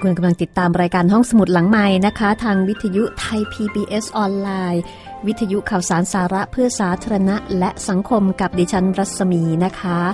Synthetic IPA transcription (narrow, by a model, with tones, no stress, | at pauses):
kʰu˧nka˧mla˧ŋt̪i˨˩t̪ːaː˧mɾaː˧jkaː˧nɦɔ˥˩ŋsa˧mu˨˩t̪̚la˩˦ŋma˨˧˩jna˦˥kʰa˦˥t̪ʰaː˧ŋwi˦˥t̪ʰːa˧ju˦˥ʔt̪ʰa˧jpʰiː˧piː˧ʔe˦˥sʔɔː˧nlaː˧j | wi˦˥t̪ʰːa˧ju˦˥kʰa˨˩wsaː˩˦nsaː˩˦ɾa˦˥ʔpʰɯ˥˩ɐsaː˩˦t̪ʰaː˧ɾa˧na˦˥ʔlɛ˦˥ʔsa˩˦ŋkʰo˧mka˨˩p̚diː˧˩t͡ɕʰa˦˥nɾa˦˥t̪̚sa˧miː˧na˦˥kʰa˦˥